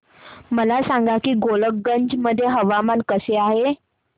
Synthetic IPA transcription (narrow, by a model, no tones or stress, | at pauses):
məlasãŋɡakiːɡolək̚ɡəɲd͡ʑməd̪ʱːjeɦəʋamankəseaɦe